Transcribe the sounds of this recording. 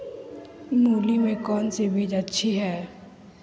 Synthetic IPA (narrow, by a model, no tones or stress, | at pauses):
muːlimẽkɔːnsebʱeːd͡ʒətːʃʰiɦɛː